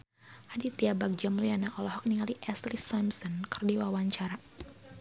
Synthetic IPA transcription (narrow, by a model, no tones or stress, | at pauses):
hadit̪iabak̚d͡ʒamlujanaʔɔlɔɦɔk̚niŋaliʔɛslisamsɔnkərdiwawaɲt͡ʃaɾa